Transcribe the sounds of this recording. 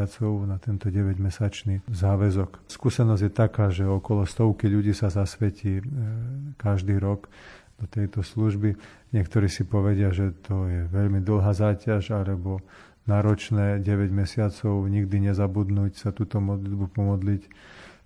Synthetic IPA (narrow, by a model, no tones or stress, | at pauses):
at͡sɔʊnat̪ɛnt̪ɔɟɛʋɛɟmɛsat͡ʃnizaːʋɛzɔkskuːsɛnɔzjɛt̪akaːʒɛɔkɔlɔst̪ɔʊkiʎuɟiːsazasʋɛciː | kaʒd̪iːɾɔɡ | d̪̥ɔt̪ɛjt̪ɔsluʒbi | ɲɪɛkt̪ɔɾiːsipɔʋɛɟɪaʒɛt̪ɔjɛʋɛʎmid̪l̩ˠɦaːzaːcaʒalɛbɔ | naːɾɔt͡ʃnɛːɟɛʋɛɟmɛsɪat͡sɔʊɲiɡd̪iɲɛzabud̪nuːcsat̪uːt̪ɔmɔd̪lid̪bupɔmɔd̪lic